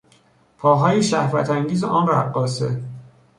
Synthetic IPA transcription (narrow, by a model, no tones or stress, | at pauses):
pʰɒːɦɒːjeʃæhvæt̪ʰæŋɟiːzeʔɒːnræɢːɒːsḛ